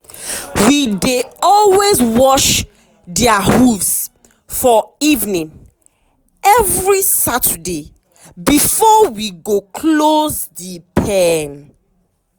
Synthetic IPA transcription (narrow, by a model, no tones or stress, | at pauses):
wideɔlwezwɔʃ | dɛahuvs | fɔivnĩŋ | ɛvɹisatʰəde | bifɔwiɡokʰlozdipʰɛn